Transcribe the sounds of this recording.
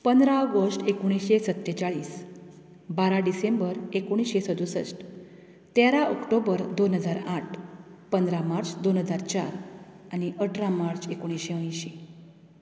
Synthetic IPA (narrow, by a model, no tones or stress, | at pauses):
pənd̪ɾaəɡəsʈekoɽ̃iɕesət̪ːet͡ɕaɭiːs | baɾaɖisembəɾekoɽ̃isɕesəd̪usə̰sʈ | t̪jaɾaʔɔkʈobəɾd̪onɦəd͡zaɾaʈʰpənd̪ɾamaɾt͡sd̪onɦəd͡zaɾt͡ɕa̰ɾañiʔəʈʰɾamaɾt͡sekoɽ̃isɕeə̃j̃ɕi